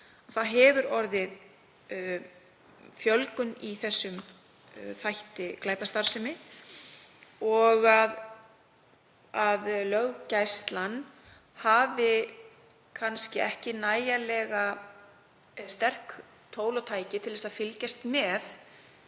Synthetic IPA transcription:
aθaðɦɛvʏɾɔɾðɪð | fjœlkʏniθɛsːʏm | θajht̪ɪklaːjt̪ast̪aɾsɪmɪ | ɔɣað | aðlœɣcajst̪lan | havɪ | kʰanscɪɛhcɪnaːjalɛːɣa | st̪ɛr̥k | t̪ʰoːwlɔt̪ʰaːjcɪt̪ʰɪlθɛsaðfɪlcast̪mɛθ

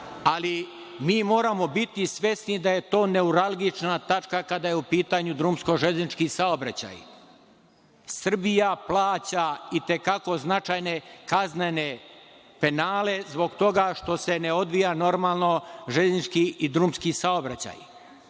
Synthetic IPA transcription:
ali | miːmo̞ːɾamo̞bit̪isʋʲje̞snid̪aje̞t̪o̞ːne̞uɾalˠɡit͡ʃnat̪at͡ʃkakad̪ajeupiːt̪aɲud̪ɾuːmsko̞ʒeznit͡ʃkisaobɾat͡ɕa̰j | sr̩bijaplˠaːt͡ɕait̪e̞kako̞znat͡ʃajne̞kaznene̞ | pe̞naːle̞zbo̞ɡt̪o̞ɡaʃt̪o̞se̞neo̞d̪ʋijano̞ɾmaːlˠno̞ʒeznit͡ʃkiid̪ɾumskisao̞bɾat͡ɕa̰j

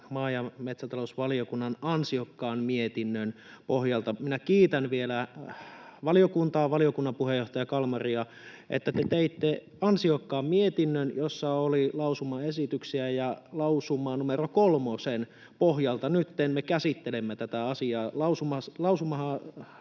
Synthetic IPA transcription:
mɑːjɑmet̪sæt̪ɑlosʋɑliokunːɑnɑnsiokːɑːnmiet̪inːøn | pohjɑlt̪ɑminækiːt̪ænʋielæ | ʋɑliokunt̪ɑːʋɑliokunːɑmpuhejoht̪ɑjɑkɑlmɑriɑ | ʔḛt̪ːæt̪et̪eit̪ːe | ɑnsiokːɑːmmiet̪inːønjosːɑolilɑusumɑesit̪yksiæjɑlɑusumːˑɑːnumerokolmosen | poɦjɑlt̪ɑnyt̪ːenmekæsit̪ːelemːæt̪æt̪æɑsiɑːlɑusumɑslɑusumɑhɑ

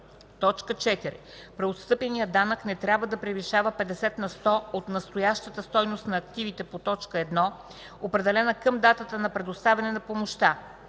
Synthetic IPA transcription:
t̪ɔt͡ʃkət͡ʃɛt̪iɾɛ̰ | pɾɛot̪st̪ɤpɛnijəd̪anəknɛt̪ɾʲabvəd̪ɐpɾɛviʃavəpɛd̪ɛsɛt̪nɐst̪ɔot̪nɐst̪ojaʃt̪ət̪əst̪ɔjnost̪nɐːk̚t̪ivit̪ɛpot̪ɔt͡ʃkəɛd̪nɔ | opɾɛd̪ɛlɛnəkəmd̪at̪ət̪ənɐpɾɛd̪ost̪avʲɛnɛnɐpomoʃt̪a

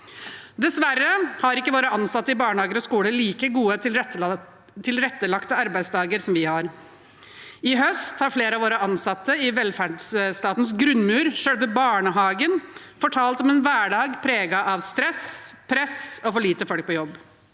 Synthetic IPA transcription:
d̪ɛsʋærːəhɑɾɪkːəʋoːɾəɑnsɑt̪ːəɪbɑːɳəhɑːɡəɾɔskuːləliːkəɡuːət̪ʰɪ | t̪ʰɪlɾɛt̪ːəlɑkt̪əɑɾbæɪd̪sd̪ɑːɡəɾsɔmʋɪhɑɾ | ɪɦœst̪hɑɾfleːɾəɑʋoːɾəɑnsɑt̪ːəɪʋɛlfæɖsst̪ɑːt̪n̩sɡɾʉnːmʉːɾʂøːɽʋɛbɑːɳəɦɑːɡənfɔʈʰɑːlt̪ɔmɛnʋæːɖɑːɡpʰɾeːɡɑʔɑʋst̪ɾɛspʰɾɛsɔfɔɭiːt̪əfɔlk̚pɔjɔbː

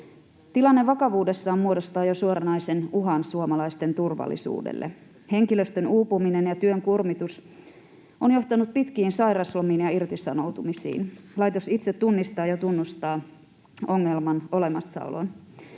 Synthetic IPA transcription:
t̪ilɑnːeʋɑkɑʋuːde̞sːɑːmmuodo̞st̪ɑːjosuoɾɑnɑjsenuɦɑnsuomɑlɑist̪e̞nt̪urʋɑ̰lːḭsṵːdḛlːe | he̞ŋkilø̞st̪ønuːpuminenjɑt̪yøŋkurmit̪us | onjo̞ht̪ɑnut̪̚pit̪k̟iːnsɑjɾɑslomiːnjɑirt̪isɑno̞wt̪umisḭːnlɑjt̪osit̪set̪ːunːist̪ɑːjot̪unːust̪ɑː | o̞ŋːe̞lmɑno̞le̞mɑsːɑ̰o̰lo̰n

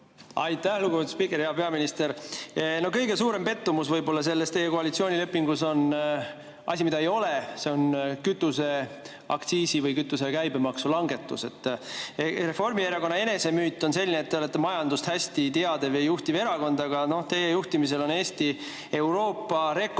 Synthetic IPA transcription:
ɑjt̪ˑːæhluɡuvt̪spikˑeɾheɑpe̞ɑminist̪e̞ɾno̞hkɤjɡe̞suːɾe̞mpe̞t̪ːumusvɤjbo̞lːɑs̬e̞lːest̪ejːeko̞ɑlit̪sio̞ːnʲile̞pˑːiŋɡuso̞n | ɑ̰sʲimid̪ɑejo̞lese̞o̞nkyt̪ːˑuse̞ | ɑ̰kt̪siːsivɤjkyt̪ːˑus̬e̞kæjbemɑksulɑŋɡe̞t̪ːˑuse̞t̪ːˑ | re̞fo̞rmieɾɑko̞nːɑe̞ne̞se̞myːt̪ˑːo̞nse̞lʲːineːt̪ːeo̞le̞t̪ːe̞mɑjɑnd̪ust̪hæsʲt̪it̪eɑd̪evejuht̪ive̞ɾɑko̞nd̪̥ɑɡɑno̞ht̪e̞jejuht̪imis̬e̞lo̞ne̞ːst̪i | e̞wɾo̞ːpːˑɑɾe̞k

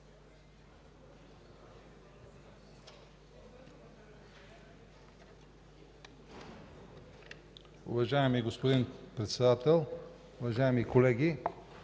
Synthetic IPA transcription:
ʊ̰vɐʒaɛmiɡospod̪inpɾɛt̪sɛd̪at̪ɛlˠ | ʊvɐʒaɛmikolɛɡi

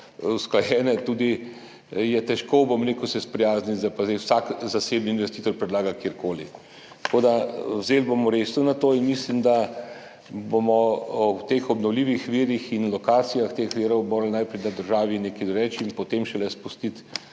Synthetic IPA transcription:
wsklajɛːnɛt̪uːd̪i | jɛt̪ɛʃkobomɾeːkəwsɛspɾɛjaːznit̪zapazd̪ɛjwsakzaseːbniːnʋɛst̪iːt̪ɔɾpɾɛd̪laːɡakjeɾkoːli | t̪koːd̪awzeːlbomɔɾesnɔnat̪oːinmislimd̪a | bomɔɔt̪exɔbnɔwliːʋixʋiːɾixinlɔkaːt̪sijaxt̪exʋiːɾɔwmoːɾalnajpɾɛjnad̪əɾʒaːʋineːkɛjd̪ɔɾɛːt͡ʃinpɔt̪emʃɛlɛspust̪it̪

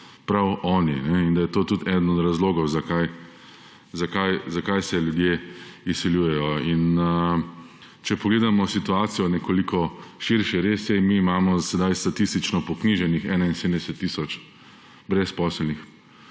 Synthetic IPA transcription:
pɾawʔɔːninɛind̪ajɛt̪oːt̪ut̪ʰɛd̪ənɔd̪ɾazloːɡɔwzakaj | zakajzakajsɛljud̪jeisiljuːjɛjɔin | t͡ʃɛpɔɡleːd̪amɔsit̪uaːt̪sijɔnɛkoːlikɔʃiɾʃɛɾesjɛmiːmaːmɔsɛd̪ajst̪at̪ist̪it͡ʃnɔpɔkniʒɛnixɛːnainsed̪m̩nd̪ɛsɛt̪ːisɔt͡ʃ | bɾɛspɔːsɛlnix

